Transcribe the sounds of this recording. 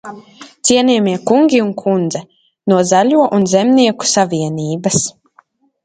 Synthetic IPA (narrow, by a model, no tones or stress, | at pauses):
t̪siɛnʲiɛmiɛkuŋɡʲiunkʰund̪zɛ | nuɔzalʲuɔʔunzɛmniɛku̥savʲiɛniːbɐs